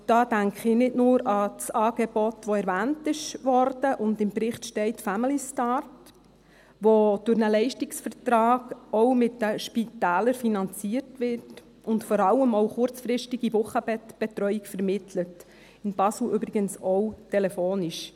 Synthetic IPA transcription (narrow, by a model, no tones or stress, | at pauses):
d̥ɑːd̥æŋkʰɪnɪtnʊːɾɑt͡sɑːɡ̥ɛb̥ɔtʋɔɛɾʋæːntɪʃʋɔɾd̥əʔʊndɪmbɾɪχtʃtɛɪtfæmilistɑrt | ʋod̥ʊɾnəlɛɪʃtɪksfəɾtɾɑːɡɔwmɪtdəʃpitæːləɾfinɑnt͡siːərtʋɪrt | ʊntfɔɾɑlːəmɔwχʊɾt͡sfɾɪʃtɪɡivʊχəbb̥ɛt̪ɾœʏikfəɾmɪtʰlət | ɪnb̥ɑsl̩ʏbɾɪɡənsɔwtʰɛlɛfoːniʃ